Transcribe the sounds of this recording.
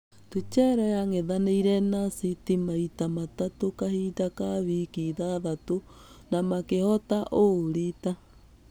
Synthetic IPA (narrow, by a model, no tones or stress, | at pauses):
tut͡ʃɛɾɔjaŋeðaneiɾɛnasitimaitamatatokahitakaβikiðaðato | namakehɔtaʔoɾita